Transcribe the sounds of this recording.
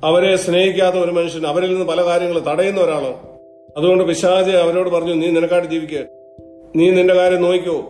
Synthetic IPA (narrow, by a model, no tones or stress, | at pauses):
ɐʋɐɾe̞sne̞ːhikʲːaːt̪ːɐo̞ɾumɐnuʂɐnɐʋɐɾilninːɨpɐlɐkaːɾjɐŋːɐɭɨt̪ɐɽɐjunːɐo̞ɾaːɭɐm | ɐðuɣo̞ɳɖɨʋiɕaːd͡ʑɐɐʋɐɾo̞ːɽɨpɐrɐɲːuniːninɐkːaːʈɨd͡ʑiːʋikʲːɐ | niːninde̞kaːɾjɐmnoːjikʲːoː